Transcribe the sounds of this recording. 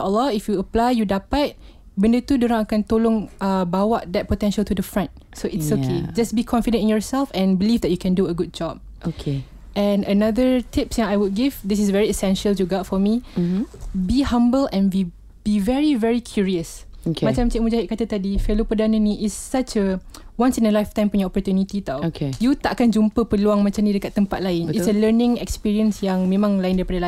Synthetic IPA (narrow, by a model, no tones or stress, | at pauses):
aʔəlːɔifjuəplajjudapat̚ | bə̃ndət̪udoɾãŋakãnt̪olõŋabawaʔd̪ɛt̚potɛ̃nʃəltudəfɹãnt | soʔɪtsokʰed͡ʒasbikʰɔ̃nfidə̃ntĩnjɔɹsɛlfɛ̃nbilifdɛt̚jukɛ̃nduəɡud̚d͡ʒɔb̚ | okʰe | ʔɛ̃nənad̪ətʰipsɛ̃najwud̚ɡivdisɪsvɛɹiɛsɛ̃nʃəljuɡɔtfɔmi | bihãmbəlɛ̃nwi | bivɛɹivɛɹikʰjuɹiəsokmat͡ʃãmt͡ʃimud͡ʒaɦit̚kat̪ət̪adifɛlopədanə̃nĩʔɪsːat͡ʃəwãnsĩnəlajft̪ãjmpɛnjɔɔpɔɹt̪junit̪it̪awokʰejut̪aʔkand͡ʒumpəpəluaŋmãt͡ʃamnĩdəkat̪ːəmpat̪̚laɪnisələnɪ̃ŋɛ̰kspiɹiə̃nsjãŋmẽmãŋlajɪ̃ndaɹipadəla